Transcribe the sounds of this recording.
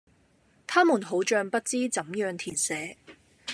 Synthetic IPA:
t̪ʰaː˥muː˨˩nɦo˨˥wt͡ʃœː˧ŋpɐ˥t̚t͡siː˥t͡sɐ˨˥mjœː˧ŋt̪ʰiː˨˩nsɛː˨˥

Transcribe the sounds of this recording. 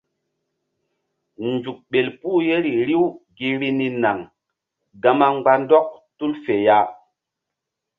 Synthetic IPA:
nd͡ʒu˨k̚ɓe˨lpuː˦je˦ɾi˨ɾi˦wɡi˦ɾi˦ni˦na˨ŋ | ɡa˨ma˦ŋ͡mɡ͡ba˦ndɔ˦k̚tu˦lfe˨ja˦

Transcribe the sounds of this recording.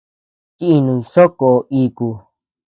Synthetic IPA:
t̪i˦i˧nũ˧ĩ˧so˦ko˧ʔiː˧ku˧

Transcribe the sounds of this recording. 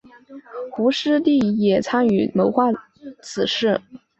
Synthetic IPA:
xu˧˥ʂɻ̩˥t̪i˥˩jɛ˨˩t͡sʰa˥ny˧˥mo˧˥ʊxwa˥˩ | t͡sʰɹ̩˨˩ʂɻ̩˥˩

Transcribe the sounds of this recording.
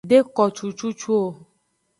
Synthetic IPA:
ɖe˦kɔ˨t͡ʃu˨t͡ʃu˦t͡ʃu˦o˨

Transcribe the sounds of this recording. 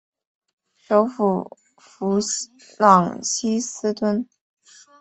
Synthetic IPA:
ʂo˧˥ʊfu˨˩ | fu˧˥ | lɑ˨˩ŋɕi˥sɹ̩˥t̪wə˥n

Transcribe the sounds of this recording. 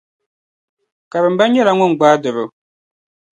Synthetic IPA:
ka˨βɨ˨m̩˨ba˦ɲ˦ɲɛ˦la˨ŋʊ˦n˨ɡ͡baː˦dɨ˨bɨ˦

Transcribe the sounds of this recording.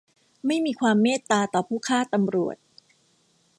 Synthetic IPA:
ma˥˩jmiː˧kʰwaː˧mːeː˥˩t̪ːaː˧t̪ɔː˨˩pʰuː˥˩kʰaː˥˩t̪a˧mɾu˨˩ət̪̚

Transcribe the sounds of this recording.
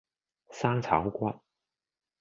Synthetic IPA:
sa˥ŋt͡sʰa̰˨˥wkwa˥n

